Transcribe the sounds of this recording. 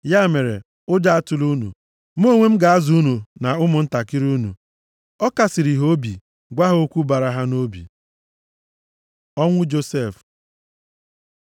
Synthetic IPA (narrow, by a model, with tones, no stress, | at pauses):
ja˦˨me˨ɾḛ˨ | ʊ˦da˦a˦tʊ˨lu˦nṵ˨ | m̩˦o˦˨ŋʷe˦m̩˦ɡa˨a˦zu˦u˦nu˨na˨ʊ˦mʊ˨n̩˦ta˨kɪ˦ɾu˦nṵ˨ | ɔ˦ka˨sɪ˨ɾi˨ɦo˦bḭ˨ | ɡʷa˦ɦo˦kʷu˦ba˨ɾa˨ɦa˦no˦bḭ˨ | ɔ˦ŋʷʊ˦d͡ʒo˦se˦˨f